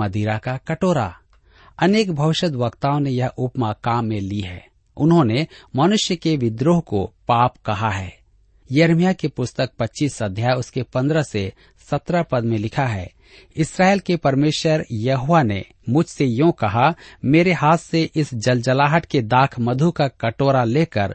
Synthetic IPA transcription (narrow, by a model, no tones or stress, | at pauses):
ɐd̪ʱiːɾakakɐʈoːɾa̰ | ɐneːkbʱɐʋɪʃəd̪ʋɐkt̪aːõnejɐɦʊpmakaːmːẽliɦɛ̰ː | ʊ̰nɦõnemɐnʊʃjəkeʋɪd̪ɾoːɦkopaːpkɐɦaɦɛː | jɐɾmijakepʊst̪ək̚pɐtːʃiːsɐd̪ʱjaːjʊskepɐ̃nd̪ɾəse | sɐt̪ɾapɐd̪mẽlɪkʰaɦɛ̰ː | ɪsɾaːeːlkepɐɾmeːʃəɾjɐɦoʋanḛ | mʊd͡ʒʱsejõkɐɦameːɾeɦaːt̪seʔɪsd͡ʒɐld͡ʒəlaːɦəʈked̪aːkʰmɐd̪ʱukakɐʈoːɾaleːkəɾ